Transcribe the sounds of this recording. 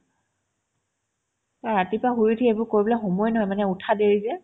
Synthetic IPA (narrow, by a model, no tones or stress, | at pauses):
taɹatipaɦujitʰiebʊɹkoɹibɔlaxɔmɔjnɔɦɔjmanɛutʰadeɹizɛ